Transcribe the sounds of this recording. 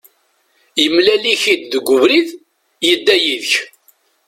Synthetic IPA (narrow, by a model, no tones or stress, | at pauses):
jəmlæliçid̪ðəɡʷːʊvɾið | jəd̪ːæjiðəç